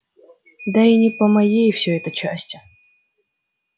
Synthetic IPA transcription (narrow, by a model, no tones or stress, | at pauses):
d̪ainʲɪpəmɐjejfsʲɵɛt̪ət͡ɕæ̰sʲtʲɪ